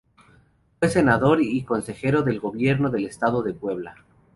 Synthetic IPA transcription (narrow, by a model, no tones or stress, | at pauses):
fwe̞se̞naðo̞ɾiko̞nse̞xe̞ɾo̞ðe̞lɣo̞βje̞ɾnoðe̞le̞st̪aðo̞ðe̞pwe̞β̞la